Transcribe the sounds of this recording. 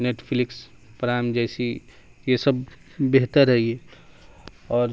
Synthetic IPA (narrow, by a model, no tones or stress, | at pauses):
neːʈpʰlɪks | pəɾamd͡ʒɛsi | jesəbː | eɦt̪əɾɦɛie | ɔːɾ